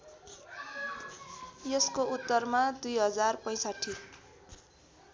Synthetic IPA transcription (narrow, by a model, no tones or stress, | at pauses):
jeskoʔut̪ːʌrmad̪ujɦʌd͡zarpʌj̃saʈʰːi